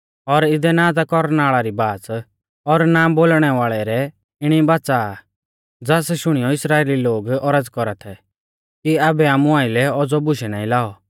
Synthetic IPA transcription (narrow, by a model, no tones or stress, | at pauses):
ɔɾɪd̪ɛnaːd͡zakɔɾñaːɭaɾibaːt͡s | ɔɾnaːmboːlɽ̃ɛʋaːɭɛɾɛ | ɪɽ̃ibat͡sa | d͡zaːsʃʊɽ̃ijɔɪsɾaːeːliloːɡɔɾəd͡zkɔɾat̪ʰɛ | kiabɛaːmũaːɪlɛɔd͡zɔbʊʃɛnaːĩlaːɔ